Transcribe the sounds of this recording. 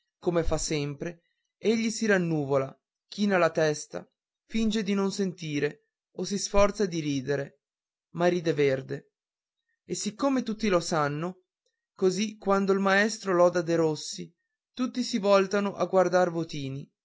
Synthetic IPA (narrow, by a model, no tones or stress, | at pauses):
komefasːɛmpɾe | eʎːisiɾanːuːvola | k̟iːnalat̪ɛst̪a̰ | find͡ʒed̪inonsent̪iːɾe | osisfɔrt̪sad̪iɾiːd̪eɾe | maɾiːd̪everd̪e | esikːomet̪ut̪ːilosanːo | kozikwand̪oilmaɛst̪ɾolɔd̪ad̪eɾosːi | t̪ut̪ːisivɔlt̪anoʔaɡward̪arvot̪iːni